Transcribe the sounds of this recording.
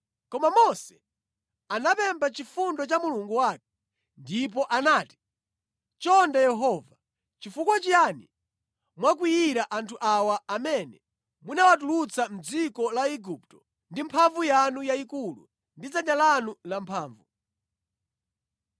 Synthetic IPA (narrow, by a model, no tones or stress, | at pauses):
kɔmamɔsɛ̥ | anapɛmbat͡ʃifundɔt͡ʃamuluŋɡuwaːkɛ | ndip̬ɔʔanaːti̥ | t͡ʃɔndajɛɦɔːva | t͡ʃifukwat͡ʃiani | mwak̬wijiɾaʔantʰuʔawaːmɛnɛ | munawat̬ulut͡sʰam̩d͡zikɔlaiɡuptɔ̥ | ndimpʰaɱvujanujaikulṵ | ndid͡zanalanulampʰaːɱvu